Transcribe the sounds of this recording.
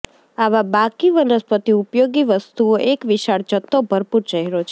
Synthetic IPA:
aʋabakiʋənəspət̪iupjoɡiʋəst̪uoʔekʋiʃaɽd͡ʒət̪ʰːobʱəɾpuɾt͡ʃəɦɛɾot͡ʃʰe

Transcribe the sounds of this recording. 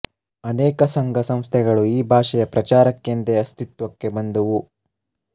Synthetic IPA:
ɐnɛːkɐsɐŋɡʱɐsɐm̃st̪ʰɛɡɐɭuiːbʱaːʂɛjɐpɾɐt͡ʃaːɾɐkːint̪eɐst̪it̪ʋɐkːe̞bɐnd̪ɐʋu

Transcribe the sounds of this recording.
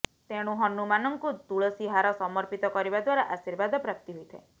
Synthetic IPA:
t̪eɽ̃uɦɔnumanɔŋkud̪uɭɔsiɦaɾɔsɔmɔɾpit̪ɔkɔɾibad̪waɾaʔasiɾbad̪ɔpɾap̚t̪iɦojt̪ʰḛ

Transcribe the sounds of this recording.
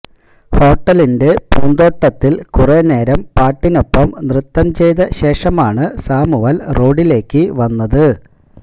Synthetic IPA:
ho̞ːʈːɐlinde̞puːnd̪o̞ːʈːɐt̪ːilkurene̞ːɾɐmpaːʈːino̞pːɐmnrɨt̪ːɐmt͡ɕe̞jðɐɕe̞ːʂɐmaːɳɨsaːmuʋɐlro̞ːɽile̞ːkːɨʋɐnːɐðɨ

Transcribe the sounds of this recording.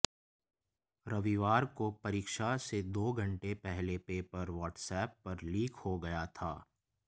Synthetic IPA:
ɾɐʋiʋaːɾkopɐɾiːkʃased̪oːɡʱɐ̃ɳʈepɛɦlepeːpɐɾʋɔːʈsɛːpːɐɾliːkhoɡɐjat̪ʰaː

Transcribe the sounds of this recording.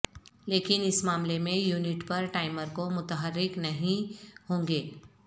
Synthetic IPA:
leːkɪnɪsmaːmlemẽjuːnɪʈpɐɾʈaːɪməɾkomʊt̪əɦəɾːɪknɐɦĩhõːŋɡeː

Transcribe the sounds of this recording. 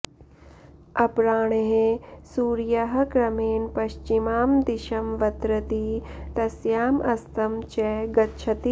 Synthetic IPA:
ɐpɾaːɳ̃eɦesuːɾjɐɦɐ̆ɡɾɐmeːnpɐʃt͡ʃimaːmd̪iʃɐmʋɐt̪ɾɐt̪it̪ɐsjaːmʔɐst̪ɐmt͡ʃɛɡɐtːʃʰɐt̪i

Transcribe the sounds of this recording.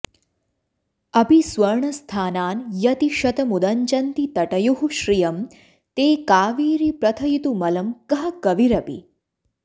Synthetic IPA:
ɐpisʋɐɾɳɐst̪ʰaːnaːnjɐt̪iʃɐt̪ɐmud̪ɐɲt͡ʃɐnt̪it̪ɐʈɐjoɦuʃɾijɐm | t̪eːkaːʋiːɾipɾɐt̪ʰɐjit̪umɐlɐmkɐɦɐkɐʋiɾɐpḭ

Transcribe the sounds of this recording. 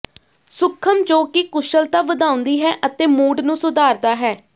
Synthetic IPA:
sʊkʰːəmt͡ʃoːkiːkʊʃəlt̪aːʋəd̪ãːʊ̃nd̪iːɦɛːʔət̪eːmuːɖnũːsʊd̪aːɾd̪aːɦɛː

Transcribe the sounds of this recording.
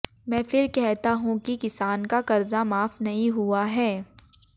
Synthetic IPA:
mɛ̃ːfɪɾkɛɦt̪aɦũkikɪsaːnkakɐɾzamaːfnɐɦĩɦuaɦɛː

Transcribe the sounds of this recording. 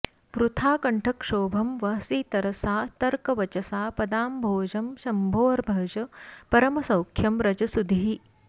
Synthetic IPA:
ʋɾut̪ʰaːkɐɳʈʰɐkʂoːbʱɐmʋɐɦɐsiːt̪ɐɾɐsaːt̪ɐɾkɐʋɐt͡ʃɐsaːpɐd̪aːmbʱoːd͡ʒɐmʃɐmbʱoːɐɾbʱɐːd͡ʒɐpɐɾɐmɐsɐwkʰjɐmɾɐd͡ʒɐsud̪ʱiɦi

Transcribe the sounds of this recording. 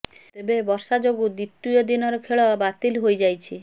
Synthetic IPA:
t̪ebebɔɾsad͡ʒoɡud̪it̪ːujɔd̪inɔɾɔkʰeɭɔbat̪ilɦojd͡ʒajt͡ʃʰi

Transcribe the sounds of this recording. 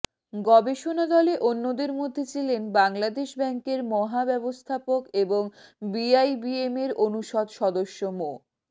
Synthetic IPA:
ɡɔbeʃonad̪ɔleʔonːod̪eɾmod̪ʱːet͡ɕʰilenbaŋlad̪eʃbɛŋkeɾmɔɦabɛbost̪ʰapokeboŋbiajbiemeɾonuʃɔd̪ʃɔd̪oʃːomo

